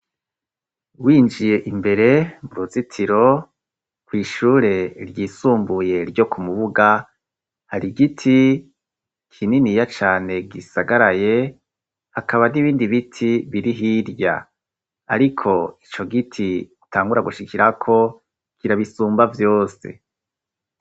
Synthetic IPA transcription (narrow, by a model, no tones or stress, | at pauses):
wiːnd͡ʒije̞ʔimbe̞ɾe̞muɾuzitʰiɾo̞ | kwiːʃuːɾe̞ɾjiːsuːmbuje̞ɾɟo̞kumuβuɡa | haɾiɡitʰi | kʰininijat͡ʃaːne̞ɡisaɡaɾaje̞ | hakaβaniβiːndiβitʰiβiɾiɦiɾja̰ | a̰ɾikʰo̞it͡ʃo̞ɡitʰiutʰaːŋɡuɾaɡuʃikʰiɾakʰo̞ | kiɾaβisuːmbavjo̞ːsḛ